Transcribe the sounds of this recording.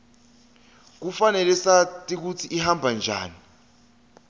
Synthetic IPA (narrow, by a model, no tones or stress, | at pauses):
k̬ufanɛlɛsatʼik̬ut͡sʰiʔiɦambʱand͡ʒʱa̰ːni